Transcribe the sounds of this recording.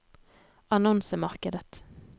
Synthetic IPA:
ɑnɔnsəmɑʁkəd̪ət̪

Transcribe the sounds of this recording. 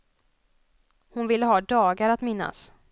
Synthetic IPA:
hʊnvɪlːəɦɑːd̪ɑːɡaɾat̪mɪnːa̰s

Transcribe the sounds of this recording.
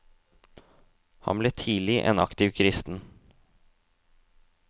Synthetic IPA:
hɑ̰mbleːt̪ʰiːlɪʔɛ̰ːnɑkt̪ɪʋkʰɾɪst̪n̩

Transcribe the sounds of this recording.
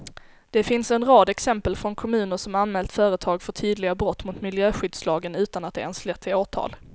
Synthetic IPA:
d̪̥ɛfɪnsɛnɾɑːd̪ɛksɛmpəlfɾɔnkʰɔmʉ̟ːnəʂɔmanmɛːlt̪fœːɾət̪ʰɑːɡfœʈʰyːd̪lɪɡabɾɔt̪ːmʊt̪mɪljøːɧʏd̪slɑːɡənʉ̟ːt̪anat̪̚d̪ɛ̰ɛnslɛt̪ʰːɪoːʈʰɑ̰ːl

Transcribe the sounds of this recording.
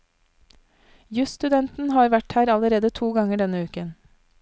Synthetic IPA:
jʉst̪ʉd̪ɛnt̪n̩hɑːɾʋæʈhæːɾɑləɾeːd̪ət̪ʰuːɡɑŋəɖɛnəʉːkən

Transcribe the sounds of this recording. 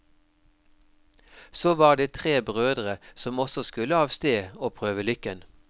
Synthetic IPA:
soːʋɑːʁd̪eːt̪ʰʁeːbʁøːd̪ʁəsɔmɔsɔskʉləɑːʋst̪eːoːpʰʁøːʋəlʏkən

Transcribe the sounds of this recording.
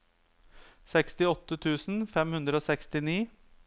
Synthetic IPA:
sɛkst̪ɪɔt̪ːət̪ʰʉːsn̩fɛmhʉnd̪ɾəoːsɛkst̪ɪniː

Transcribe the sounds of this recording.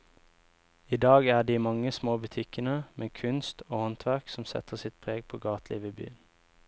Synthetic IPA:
iːd̪ɑːɡæːd̪iːmɑŋəsmoːbʉt̪ʰɪkənəmʔeːkʰʉnst̪oːhɔnt̪ʰʋæʁksɔm̩sɛ̰t̪ʰəʁsɪt̪̚pʰʁeːɡ̚pʰoːɡɑːt̪lḭːʋeːby̰ːən

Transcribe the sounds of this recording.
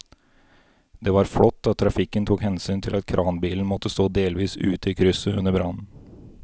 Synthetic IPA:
d̪ɛːʋɑːɾfɽɔt̪ːɑt̪ʰːɾɑfɪkːənt̪ʰuːkhɛnsyːnt̪ʰɪlɑt̪kʰɾʔɑːnbiːln̩mɔt̪ːəst̪oːd̪eːlʋiːsʉ̰ːt̪əiːkʰɾʏsəʉnːəɾbɾɑnn̩

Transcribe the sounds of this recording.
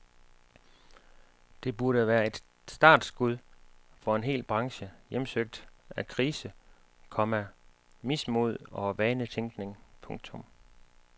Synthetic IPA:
d̥e̝b̥uɐɾəʋæːɐe̝d̥ | sd̥ɑ̰̈ːd̥sɡ̥uðˠfɒ̽e̝nɦe̝̰ːlb̥ʁɑ̈ŋɕəjemsøɡ̥̚d̥ækʰʁiːsə | kʰɒ̽mæ | mismo̝ð̞̰ˠɒ̽ʋænət͡sʰeŋɡ̥ne̝ŋpʰɔ̽ŋ̥̚t͡sʰɔ̽m

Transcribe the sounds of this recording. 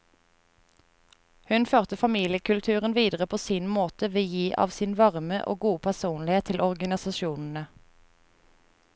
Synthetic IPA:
hʉnføːʁt̪əfɑmiːlɪəkʉlt̪ʰʉːʁənʋiːd̪əʁəpʰoːsiːnmoːt̪əʋeːjiːʔɑ̰ːʋsɪːnʋɑʁməʔo̰ːɡuːpʰæʁsuːnlɪheːt̪ʰːɪlʔɔʁɡɑnɪsɑʃuːnn̩ə

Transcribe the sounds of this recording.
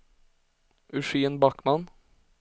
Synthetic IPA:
ʉʂiːənbakman

